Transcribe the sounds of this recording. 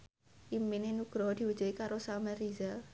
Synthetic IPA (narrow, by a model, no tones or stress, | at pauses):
ʔiminenuɡ̥ɾɔd̪̥i̤wəd̥d͡ʒ̥uikaɾosamɛrizɛl